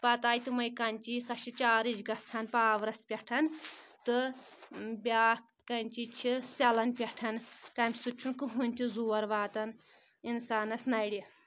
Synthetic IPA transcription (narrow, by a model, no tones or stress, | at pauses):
pɐt̪aːjt̪ɨmɐjkɐnʲt͡ʃiːsɐʃit͡ʃaːɾid͡ʒɡɐtt͡sʰanpaːʋɾɐspʲɐʈʰɐnt̪ɨ | bʲaː | kːɐnʲt͡ʃit͡ʃʰisɐlɐnpʲɐʈʰɐnt̪ɐːmʲsut͡ʃʰunkɨɦunʲt̪ʰizuːɐɾʋaːt̪ɐn | insaːnɐsnɐɽi